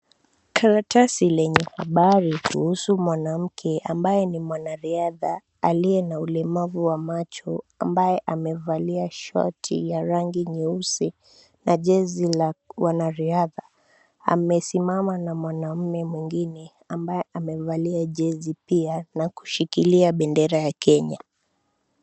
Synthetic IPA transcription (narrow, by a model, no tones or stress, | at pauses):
kʰaɾatʰasilɛɲɛhaɓaɾikṵhusumwanam̩kʰɛʔambajɛnimwanaɾiaða | aliɛnaulɛmavuwamat͡ʃɔa̰mbajɛʔamɛvaliaʃɔ̰tʰḭjaɾaŋɡiɲɛusi | naʄɛzilawanaɾiaða | a̰mɛsimamanamwanam̩mɛmwiŋɡinɛ | ambajɛʔamɛvaliaʄɛzipianaku̥ʃikiliaɓɛndɛɾajakɛɲa